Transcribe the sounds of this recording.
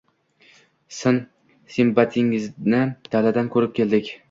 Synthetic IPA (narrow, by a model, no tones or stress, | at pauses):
sɪn | simbat̪ʰɪŋɪznɪd̪̥alad̪ankʰɵɾɪp̚kʲe̞ld̪ɪkʲ